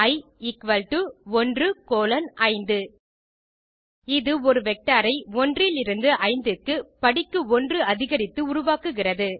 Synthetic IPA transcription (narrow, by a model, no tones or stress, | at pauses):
ɐɪ | ɪkʋɐlʈɯɔndrɯkoːlɐnʔɐɪnd̪ɯ | ɪðɯɔɾɯʋɛk̚ʈaːɾɐɪɔndrɪlɪɾɯnd̪ɯʔɐɪnd̪ɯkːɯpɐɽɪkːɯɔndrɯɐðɪɣɐɾɪt̪ːɯʊɾʊʋaːkɯɣɪrɐðɯ